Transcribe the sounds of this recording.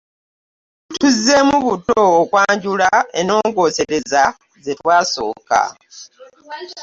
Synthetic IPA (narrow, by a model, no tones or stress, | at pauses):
tuzːe̞muβuto̞ːkwaːɲɟulaeno̞ːŋɡo̞ːse̞ɾe̞za | zetwaːso̞̰ːka̰